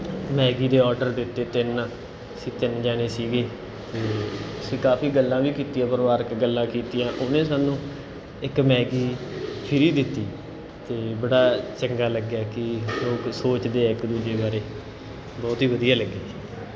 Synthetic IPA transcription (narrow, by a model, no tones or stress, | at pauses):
mɛːɡiːd̪eːɔːɾɖəɾd̪ɪt̪ːeːt̪ɪn | sĩːt̪ɪnd͡ʒaːɽ̃eːsiːɡeː | t̪eːəsĩːkaːpʰiːɡəlːãːʋiːkiːt̪ɪjãːpəɾʋaːɾəkɡəlːãːkiːt̪ɪjãːʔʊnẽːs̬aːnũː | ɪkmɛːɡiːpʰɪɾiːd̪ɪt̪ːiː | t̪eːbəɽaːt͡ʃəŋɡaːləɡːaːkɪloːksoːt͡ʃd̪eːɪkd̪uːd͡ʒeːbaːɾeː | bɔːt̪ɦiːʋəd̪ijaːləɡːeː